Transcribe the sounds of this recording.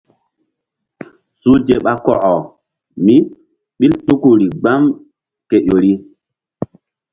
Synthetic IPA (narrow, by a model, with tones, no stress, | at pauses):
su˦d͡ʒe˨ɓa˨kɔ˨ʔɔ˨ | mi˦ | ɓi˦ltu˦ku˨ɾi˨ɡ͡ba˦m | ke˨ʔo˨ɾi˦